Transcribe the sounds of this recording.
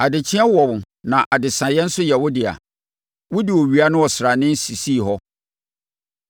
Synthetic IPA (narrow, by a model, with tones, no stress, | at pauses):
a˨dɪ˨t͡ɕʰɪ˦ɛ˦wɔ˨w | nã˨ʔa˨dɪ˨sã˨jɛ̃˦n̩˦sʊ˦jɛ˨wʊ˦dɪ˨a̰˨ | wʊ˦dɪ˨wɔ˨ɥi˨a˦nʊ̃˦wɔ˨sɪ˨ɾa˨nɪ̃˦n̩˦si˨si˦˨ɦɔ˦